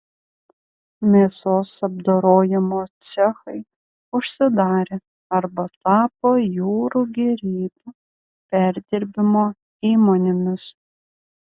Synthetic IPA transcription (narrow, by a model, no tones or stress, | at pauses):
mʲeːsoːsɐb̚d̪oːɾoːjɪmoːt̪t͡s̪ʲɛxɐɪ | ʊʃʲsʲɪd̪ɑːɾʲe | ɐɾbɐt̪ɑːpoːjuːɾuɡʲɛɾʲiːbu | pʲæɾʲd̪ʲɪɾʲbʲɪmoː | iːmonʲɪmʲɪs